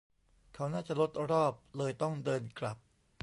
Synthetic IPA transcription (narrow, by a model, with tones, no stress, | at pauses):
kʰa˦˥wnaː˥˩t͡ɕa˨˩lo˦˥t̪̚ɾɔː˥˩p̚lɤː˧jt̪ɔ˥˩ŋdɤː˧nkla˨˩p̚